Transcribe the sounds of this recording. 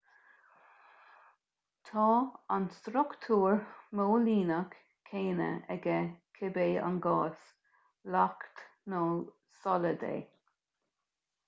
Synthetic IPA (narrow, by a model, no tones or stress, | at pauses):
t̪ʰɑːanst̪ɾʊkt̪ʰuːɹmoːliːnəkːʰ | eːnə̰ɛɡəkʰɪbeːa̰nɡɑːs | lakt̪noː | sɔləd̪ḛː